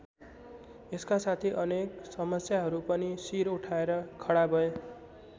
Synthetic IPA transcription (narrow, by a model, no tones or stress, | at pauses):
eskasat̪ʰiʔʌneksʌmʌsjaɦʌɾupʌnisiɾuʈʰaeɾʌkʰʌɽabʱʌo